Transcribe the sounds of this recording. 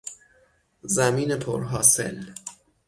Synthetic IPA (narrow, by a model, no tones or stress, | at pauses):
zæmiːnepʰoɾɦɒːse̞̰l